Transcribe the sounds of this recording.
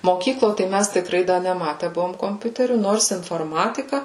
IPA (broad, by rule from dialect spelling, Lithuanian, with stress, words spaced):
moːˈkʲiːklˠoː tɐɪ ˈmʲæs tʲɪkˈrɐɪ ˈdɐ nʲɛˈmɑːtʲɛ ˈbʊʋoːm koːmʲˈpʲʊtʲɛrʲuː ˈnoːrs ɪnfoːrˈmɑːtʲɪkɐ